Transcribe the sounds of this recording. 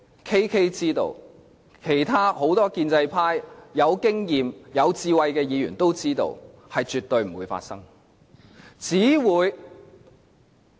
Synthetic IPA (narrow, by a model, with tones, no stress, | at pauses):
kʰe˥jkʰe˥jt͡siː˥t̪o̰˧w | kʰe˨˩jt̪ʰaː˥ho˨˥wt̪ɔː˥kiː˧nt͡sɐ˧jpʰaː˥jːɐ˨˧wkɪ˥ŋjiː˨mjɐ˨˧wt͡siː˧wɐ˧jkɛː˧jiː˨˧jyː˨˩nt̪o˥wt͡siː˥t̪o̰˧w | hɐ˨jt͡ʃyː˨t̪ːɵ˧ɥm̩˨˩uː˨˧jfa̰˧t̚sɐ˥ŋ | t͡siː˨˥wuː˨˧j